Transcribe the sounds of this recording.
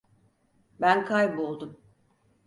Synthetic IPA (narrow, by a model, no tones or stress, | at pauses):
bænkʰajbo̞lˠd̪um